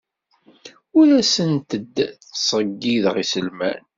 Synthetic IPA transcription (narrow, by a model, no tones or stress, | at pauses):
ʊɾæsənt̪əd̪θsˤəɡːiðʁisəlmæ̰n